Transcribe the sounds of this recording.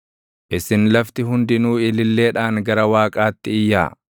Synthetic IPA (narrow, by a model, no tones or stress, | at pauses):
ʔɪsɪnlɐft̪ɪɦʊnd̪ɪnuːɪlɪlːe̞ːᶑaːŋɡɐɾɐwaːkʼaːt̪ːɪɪjːa̰ː